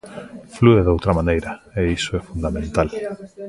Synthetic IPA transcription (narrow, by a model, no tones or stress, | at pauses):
flueðowt̪ɾamanejɾaeisoɛfund̪amẽnt̪al